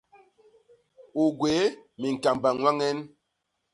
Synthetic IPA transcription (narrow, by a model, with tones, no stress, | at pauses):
u˨ɡwe˨˦mi˨ŋ̩˨ka˨mba˨ŋwa˦ŋɛ˦n